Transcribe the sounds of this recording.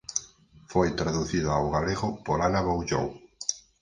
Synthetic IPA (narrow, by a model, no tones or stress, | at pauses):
fojt̪ɾaðuθiðaːwɣaleɣʊpoɾanaβowʒo̰ŋ